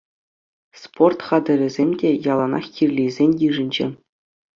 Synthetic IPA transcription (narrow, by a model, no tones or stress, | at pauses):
sport̪χɑd̪ʲɘ̆ɾʲɘ̆zʲemʲdʲejɑlˠɑnɑ̰χkʲirʲlʲizʲenʲjiʐɘ̆nʲd͡ʑɘ̰̆